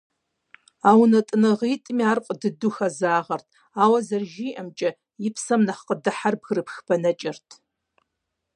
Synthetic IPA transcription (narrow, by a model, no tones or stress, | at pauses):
aːwnɐtʼɨnɨʁiːtʼmiaːrqʷʼədɨdʊxɐzaːʁɐrtʰ | aːwɐzɐrʒiːʔɐmt͡ʃʼɐ | jɪpʰsɐmnɐχqədɨħarbɣrɨpʰxpʰɐnɐt͡ʃʼɪrtʰ